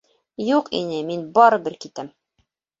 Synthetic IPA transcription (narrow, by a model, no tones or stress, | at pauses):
juqḭnɘminbɒɾɤ̆bɘɾkit̪æm